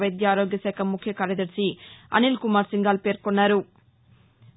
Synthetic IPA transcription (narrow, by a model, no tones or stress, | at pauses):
ʋɐjd̪jaaːɾo̞ːɡjɐsɛːkʰɐmːukʰjɐkaːɾjɐd̪ɐɾsiɐ̰nilkumaːɾsiŋɡaːlpe̞ːɾkonːaːɾu